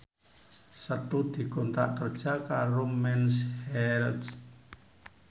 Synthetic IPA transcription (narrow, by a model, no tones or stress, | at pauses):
sət̪ud̪̥i̤kont̪a̰ʔkərd̥ʒ̥a̤kaɾomɛnshɛld